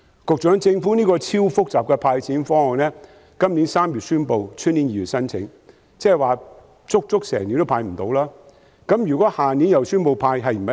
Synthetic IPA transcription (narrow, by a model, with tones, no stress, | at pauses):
kʊ˨k̚t͡ʃœː˨˥ŋt͡sɪ˧ŋfuː˨˥niː˥kɔː˧t͡sʰiː˥wfʊ˥k̚t͡saː˨p̚kɛ˧pʰaː˧jt͡sʰiː˨˥nfɔː˥ŋhɔ˨ŋnɛː˥ | kɐ˥mni˨˥nsaː˥mjy˨t̚syː˥npo˧wt͡ʃʰɵ˥t̚niː˨˥njiː˨jy˨˩sɐ˥nt͡sʰɪ̰˨˥ŋ | t͡sɛː˥ɐ˨˩waː˨ | t͡sʊ˥k̚t͡sʊ˥k̚sɛ̰ː˨˩ŋni˨˥nt̪o˥wpʰaː˧jm̩˨˩t̪o˨˧wlaː˥ | kɐ˨˥mjyː˨˩kʷɔː˨˥haː˨niː˨˥njɐ˨wsyː˥npo˧wpʰaː˧jɦɐ˨jm̩˨˩ɐ˨